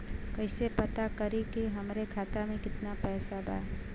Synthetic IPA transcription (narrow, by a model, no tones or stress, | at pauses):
kəɪsepət̪akəɾikiɦɐmɾekʰaːt̪amẽkɪt̪napɛːsaba̰